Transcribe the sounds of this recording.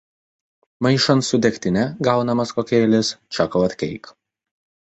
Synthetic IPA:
mɐɪʃɐnsʊd̪ʲɛkʲt̪ʲɪnʲɛɡɐʊnɐmɐskoːkʲeːlʲɪst͡ʃʲɐkɐʊɐt̪ʲkʲɛɪk

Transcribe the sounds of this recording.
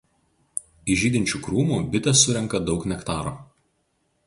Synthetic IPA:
ɪʒʲiːd̪ʲɪnʲt͡ʃʲuːkɾuːmuːbʲɪt̪ʲɛsːʊɾʲɛŋkɐd̪ɒʊknʲɛkt̪ɑːɾo̰ː

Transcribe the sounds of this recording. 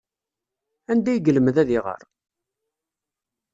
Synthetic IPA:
ænd̪æjɡələmðæðiʁə̰ɾˤ

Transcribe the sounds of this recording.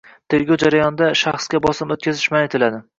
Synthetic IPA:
t̪ʰe̞ɾɡʲɒwd͡ʒaɾajɒnd̪aʃaχsɡʲabɒsɪmot̪̚kʲʰazɪʃmanet̪ʰɪlad̪ɪ

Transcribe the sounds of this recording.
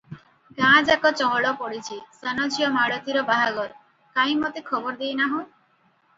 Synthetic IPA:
ɡãd͡ʒakɔt͡ʃɔɽɔpɔɽit͡ʃʰisanɔd͡ʒijɔmaɽɔt̪iɾɔbaɦaɡɔɾ | kãj̃mɔt̪ekʰɔbɔɾd̪ijnaɦoj

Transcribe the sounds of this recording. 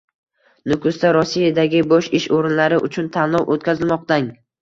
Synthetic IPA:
nʊkʰʊst̪aɾɒsːijad̪aɡʲɪbɒʃɪʃoɾɪnlaɾɪʔʊt͡ʃʰʊnt̪ʰanːɒwʔot̪̚kʲʰazɪlmɒq̚t̪aŋ

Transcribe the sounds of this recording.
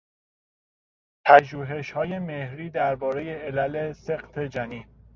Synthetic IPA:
pʰæʒuːɦe̞ʃhɒːje̞me̞hɾiːd̪æɾbɒːɾe̞jeelælese̞qt̪ʰe̞d͡ʒæniː

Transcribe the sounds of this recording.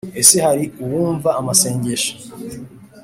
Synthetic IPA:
esehaɾiuwuːɱvaʔːmase̞ːɲɟe̞ʃḁ

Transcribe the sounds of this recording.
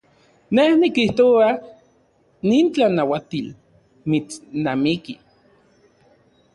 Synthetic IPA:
nehnikiht̪oa | niːnt͡ɬanawat̪il | mit͡snamiki

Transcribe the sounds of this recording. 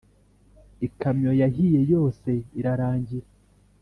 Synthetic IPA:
ikamɲo̞jaɦije̞jo̞ːse̞iɾaɾaːɲɟiɾa

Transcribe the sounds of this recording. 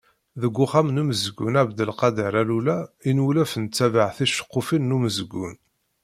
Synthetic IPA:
ðəɡʷːʊχamnuməzəɡunæbd̪əlqɑd̪əɾælulæinulæfənt͡sːævaʕθiʃə̥qːʊfinːuməzəɡːṵn

